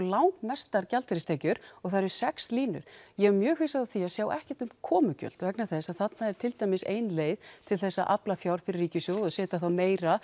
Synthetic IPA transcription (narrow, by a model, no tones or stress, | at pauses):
lawŋkmɛst̪aɾcalt̪ʰɪɾɪst̪ʰːcʏɾ̥ɔɣθaɾ̥sɛksliːnʏ̰ɾ̥jɛɣɛɾmjœːhvisaðaθiasjaːwʔɛhcɛt̪ʏmkʰɔːmʏcœ̰l̥t̪vɛknaθɛsaðθat̪naɛɾ̥t̪ʰɪlt̪ajmɪsejnleːjðt̪ʰɪlθɛsːaʔaplafjawɾ̥fɪɾɪrːiːcɪsjowðɔsɛːt̪aθawmeːjɾa